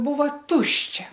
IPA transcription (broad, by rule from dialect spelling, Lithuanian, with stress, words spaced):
ˈbuːʋɐ ˈtʊʃʲt͡ʃʲɛ